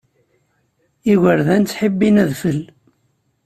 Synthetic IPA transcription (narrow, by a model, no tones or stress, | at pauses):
iɣəɾðænt͡sːħəbːinæðfəl